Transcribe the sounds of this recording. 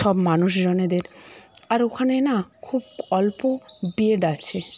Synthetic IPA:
ʃɔbmanuʃd͡ʑɔned̪eɾ | aɾokʰanenakʰub̚ɔlpobieɖat͡ɕʰe

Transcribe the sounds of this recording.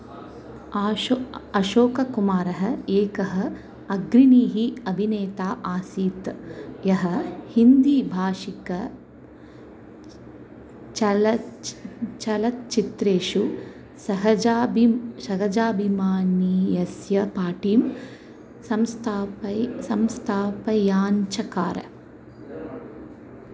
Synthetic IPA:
ɐʃoːkɐkumaːɾɐɦɐ̆eːkɐɦɐ̆ | ɐɡɾiniːɦiɐbʱineːt̪aːʔaːsiːt̪jɐɦɐ̆hind̪iːbʱaːʃikɐ | t͡ʃɐ | t͡ʃɐlɐt̪̚t͡ʃit̪ɾeːʂu | sɐɦɐaːbisɐɦɐd͡ʒaːbʱimaːnijɐsjɐpaːʈiːm | sɐmst̪ʰaːpɐsɐmst̪ʰaːpɐjaːɲt͡ʃɐkaːɾɐ̰

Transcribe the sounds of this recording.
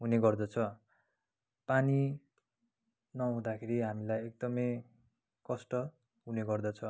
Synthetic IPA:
ɦuneɡʌrd̪ʌt͡sʰʌ | pani | nʌɦũd̪akʰeɾiɦamilajek̚d̪ʌmʌj | kʌsʈʌ | ɦuneɡʌrd̪ʌt͡sʰʌ

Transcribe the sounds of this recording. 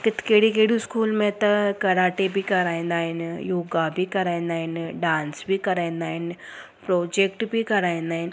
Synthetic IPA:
kɪt̪keːɽikeːɽiskuːlmẽt̪ɐkɐɾaːʈebʱikɐɾaːẽnd̪aːɪnjoːɡabʱikɐɾaːẽnd̪aːinɖãːnsbʱikɐɾaẽnd̪aːɪn | pɾoːd͡ʒek̚ʈbʱikɐɾaːẽnd̪aːin

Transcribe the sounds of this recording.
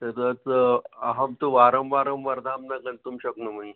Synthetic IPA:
t̪ət̪ət͡saɦəmt̪uʋaɾəmʋaɾəmʋɐɾd̪ʱamnaɡənt̪umɕəknum̤əi

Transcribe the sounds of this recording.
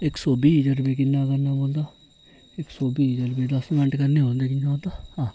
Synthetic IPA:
ɪksoːbiːd͡ʒəɾbeːk̬ɪnːaːkəɾnaːboːld̪aː | ɪksoːbiːd͡ʒəɾbeːɖəsmɛ̃ɳʈkəɾneːõːnd̪eːkɪnãõːnd̪aːhãː

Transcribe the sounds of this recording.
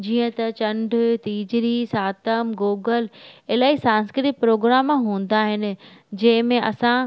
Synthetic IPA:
d͡ʑiːə̃t̪ɐt͡ɕɐ̃ɳɖʱt̪iːd͡ʑɾisaːt̪əmɡoːɡəleːlaːisãːnskɾɪt̪ɪk̚pɾoːɡɾaːmɦũːn̆d̪aːɦɪnɪ̆d͡ʑɐ̃ɦɪ̃mẽʔɐsã

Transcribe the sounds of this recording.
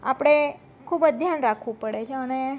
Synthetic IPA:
a̰pɽ̃e | kʰuːbəd̪ʱjanɾakʰʋũpəɽet͡ʃʰeəne

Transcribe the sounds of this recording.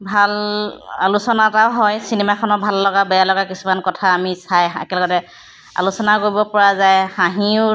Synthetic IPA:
bʱala̰lusɔnataʊɦɔjsinemakʰɔnɔbʱalːɔɡabɛjalɔɡakisumankɔtʰaːmisajḛkɛlɔɡɔtɛ | a̰lusɔnakoɹibɔpɔɹazajhãɦĩʊ

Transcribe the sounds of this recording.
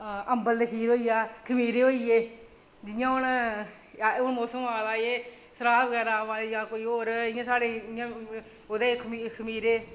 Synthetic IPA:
əmbəld̪ekʰiːɾoːiaːkʰəmiːɾeːɦoːieː | d͡ʒɪjãːʊn | ʊnmoːsəmaːlaːjeː | səɾaːəɡɛːɾaːʋaːjãːkoːiːoːɾɪjãːsaːɽeːɪjãː | oːd̪eːkʰikʰəmiːɾeː

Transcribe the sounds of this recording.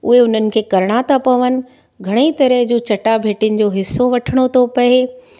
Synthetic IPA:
ʊɦeʊn̤ənɪ̆kʰeːkɐɾɽ̃aːt̪ʰapɐʋənɪ̆ | ɡʱɐɽ̃et̪ɐɾəɦd͡ʑot͡ɕɐʈabʱeːʈɪʊnɪ̆d͡ʑoːɦɪsːoʋɐʈʰəɽ̃ot̪ʰopɐe

